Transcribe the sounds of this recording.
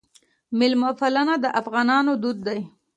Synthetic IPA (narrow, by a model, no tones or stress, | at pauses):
mɪlmafalanad̪əʔafɣɑnɑnod̪ud̪̚ːaj